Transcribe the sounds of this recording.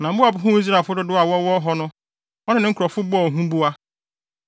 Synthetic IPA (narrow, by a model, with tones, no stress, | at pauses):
nã˨˦bʊ˦a˨bʊ˨ɦʊ̃˦i˦s̬ɾa˨fʊ˦dʊ˦dʊ˦a˨wɔ˦wɔ˦ɦɔ˦nʊ̃˦ | ɔ˦nɪ̃˦n˨ɪ̃˦ŋ̩˦kʰɔ˨fʊ˦bɔ˦ɔ˨ɦũ˦bu˦a˦